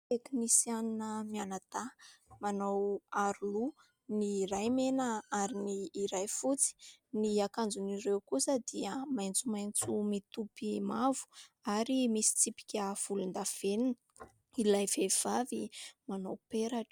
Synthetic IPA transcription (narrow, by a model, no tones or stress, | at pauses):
t̪eknisianinəmianət̪amanawaɾulu | niɾajmenəaɾiniːɾajfut͡si̥niakand͡zunirewkusəd̪̥iəmajnt͡sumajnt͡sumit̪upimavu̥aɾimisi̥t͡sipi̥kʲəv̥ulund̪av̥eninə | ilajv̥ev̥avimanawpeɾaʈ͡ʂ